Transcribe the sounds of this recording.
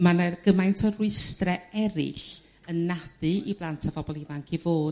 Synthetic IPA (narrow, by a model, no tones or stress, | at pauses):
manərɡəmajntʰɔrwɪstrɛɛɾɪ̰ɬ | ənːad̥ɨʔiblˠantʰavɔbɔlˠivaŋkʰivoːd